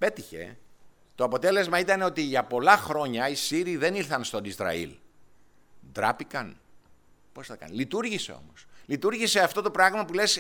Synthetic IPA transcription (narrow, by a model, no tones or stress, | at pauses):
pe̞t̪içe̞̰ | t̪o̞ɐpo̞t̪e̞le̞zmɐit̪ɐneo̞t̪iʝɐpo̞lɐxɾo̞ɲɐisiɾiðe̞niɾθɐnst̪o̞nizɾɐ̰ḭl | d̪ɾɐpikɐn | po̞sθɐkɐ̰nlit̪uɾʝise̞̰o̞̰mo̞slit̪uɾʝiseɐft̪o̞t̪o̞pɾɐɣmɐpule̞s